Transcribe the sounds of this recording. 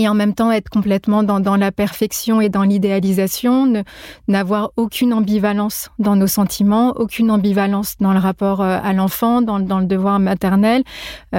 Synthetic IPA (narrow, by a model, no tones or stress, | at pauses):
eɑ̃mɛmt̪ɑ̃ɛt̪χkɔ̃plɛt̪mɑ̃d̪ɑ̃d̪ɑ̃lapɛʁfɛksjɔ̃ed̪ɑ̃lid̪ealizasjɔ̃nənavwaʁokʲʰynɑ̃bivalɑ̃sd̪ɑ̃nosɑ̃t̪ʰimɑ̃okʲynɑ̃bivalɑ̃sd̪ɑ̃ləʁapɔʁøa̰lɑ̃fɑ̃d̪ɑ̃ləd̪ɑ̃ləd̪əvwaʁmat̪ɛʁnɛl